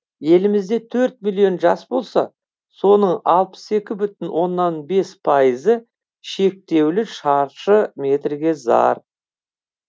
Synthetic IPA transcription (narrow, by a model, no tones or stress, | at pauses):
je̞lɪmɪzd̪e̞t̪ʰɵɾt̪̚milʲˠijo̞nʒɑsbo̞lˠsɑ | so̞nəɴɑlˠpə̥se̞kʲɪbʏt̪ɪnwʔo̞nːɑnbe̞spʰɑjəzə | ʃe̞k̚t̪e̞wlɪʃɑɾʃəmʲe̞t̪ɾɡʲe̞zɑ̰ɾ